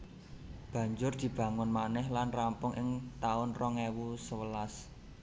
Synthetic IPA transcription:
b̥ä̤ɲd͡ʒʊrd̪̥i̤b̥ä̤ŋʊnmanɛhlanrampʊŋʔɪŋt̪aʊnrɔŋewusəwəlas

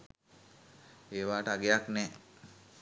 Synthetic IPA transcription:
eːʋaːʈəaɡejaknɛː

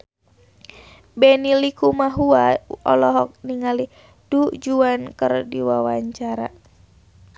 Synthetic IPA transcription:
bɛnilikumaɦuaɔ̰lɔɦɔk̚niŋali | d̥ud͡ʒuankərdiwawaɲt͡ʃaɾa̰

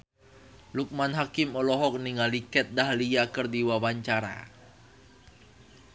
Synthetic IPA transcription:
luk̚manɦakɪmɔlɔɦɔk̚niŋalikɛt̪̚daɦlijakərdiwawaɲt͡ʃaɾa̰

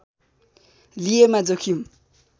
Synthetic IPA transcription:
lijemad͡zokʰjim

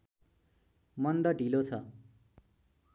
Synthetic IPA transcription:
mʌnd̪ʌɖʱilot͡sʰʌ

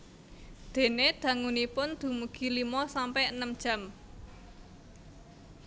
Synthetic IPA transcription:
d̪̥e̤ned̪̥ä̤ŋunipʊnd̪̥ṳmuɡ̥i̤limɔsampɛənəmd̥ʒ̥ä̤m

